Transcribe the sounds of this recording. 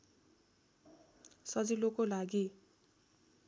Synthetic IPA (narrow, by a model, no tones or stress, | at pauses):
sʌd͡zilokolaɡi